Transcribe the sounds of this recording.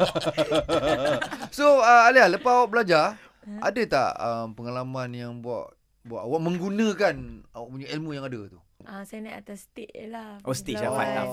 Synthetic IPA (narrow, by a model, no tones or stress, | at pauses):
soəalialəpaawaʔ̚bəlad͡ʒa | a̰dət̪a̰ʔəmpəŋalamãnjaŋbua̰ʔ | buaʔawaʔmə̃ŋɡunə̃kanaʔpuɲaʔilmũjaŋadət̪u | asajnaʔat̪ast̪eʔlaʔost̪iʔsapat̪a